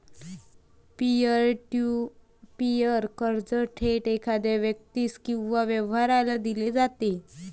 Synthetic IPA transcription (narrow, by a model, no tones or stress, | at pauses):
piəɾʈu | pijəɾkəɾd͡zəʈʰeʈekʰad̪aʋjək̚t̪iːskĩw̃ʋaʋəʋɦaɾalad̪iled͡zat̪e